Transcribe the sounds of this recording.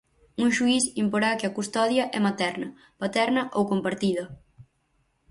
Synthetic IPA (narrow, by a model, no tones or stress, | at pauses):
uŋʃuisimpoɾakɪɐkust̪ɔðjɐʔɛmat̪ɛɾnɐ | pat̪ɛɾnɐʔowkompaɾt̪iðɐ